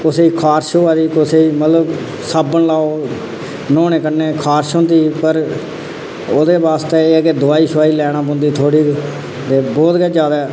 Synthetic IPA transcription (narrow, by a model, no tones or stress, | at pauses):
ʊseiːkʰaːɾʃoːaːd̪iːkoseːiːmət̪ləb | saːbəɳlaːoː | nɔ̃ːnẽːkənːeːkʰaːɾʃõːnd̪iːpəɾ | oːd̪eːʋaːst̪eːeːked̪ʊaːiːʃʋaːiːlɛːɽ̃ãːpʊ̃nd̪iːt̪ʰoːɽiː | t̪eːbɔːt̪ɡɛːd͡ʒjaːd̪aɛː